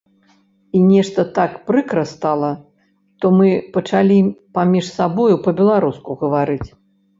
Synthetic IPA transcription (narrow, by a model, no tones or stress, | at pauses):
inʲɛʂt̪ɐt̪akpɾɨkɾɐst̪alˠɐ | ʂt̪ɔmɨpɐt͡ʂalʲipamʲiʂsabɔjupɐbʲɛlˠaɾuskuɣɐvaɾɨt͡sʲ